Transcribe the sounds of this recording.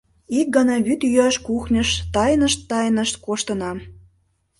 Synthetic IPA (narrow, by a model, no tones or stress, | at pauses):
ik̚ɡɑnɑβyt̪jyæʃkuxnʲə̆ʃt̪ɑjnəʃt̪ːɑjnə̆ʃt̪koʃt̪ə̆nɑ